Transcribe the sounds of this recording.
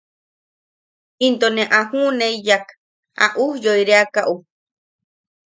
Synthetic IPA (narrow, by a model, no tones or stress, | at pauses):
int̪onẽʔahuneijak | a̰ʔuhjoiɾeakaʔu